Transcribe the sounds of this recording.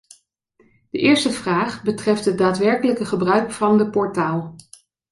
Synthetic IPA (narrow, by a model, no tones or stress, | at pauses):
d̥əʔɪːɹstəv̥raːχbətrɛftɦət̚daːtʋɛɹkələkəχəbrœɥkfɑndəpɔɹtaːlˠ